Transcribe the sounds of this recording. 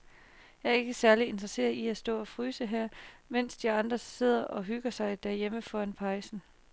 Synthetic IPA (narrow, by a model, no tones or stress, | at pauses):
jɑ̈æɐe̝ɡ̥əsæɐlie̝nd̥ʁɐse̝̰ːɐðˠiæsd̥ɔ̰̽ːɒ̽fʁyːsəɦæɐ̰men̰sd̥iɑ̈nd̥ʁɐse̝ð̞̰ˠɐʔɒ̽ɦyɡ̥ɐsɑ̈ɪd̥æɐjeməfɒænpʰɑ̈ɪsn̩